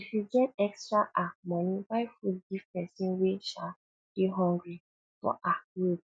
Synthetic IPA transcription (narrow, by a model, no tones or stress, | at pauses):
ifid͡ʒɛtɛkstɾaʔamɔ̃nĩbajfudivpɛsĩnweʃa | b̥iɦɔ̃ŋɡɾi | fɔ̰ʔawub